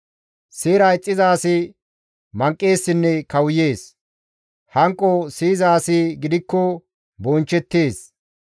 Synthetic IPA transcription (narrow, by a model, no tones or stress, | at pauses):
seːɾɐjt͡sʼːɪzaːsɪ | mɐŋkʼːe̞ːsːɪnːɛkɐwʊje̞ːs | hɐŋkʼːɔsiːzaːsɪɡɪd̪ɪkːɔ | bɔnt͡ʃːɛt̪ːeːs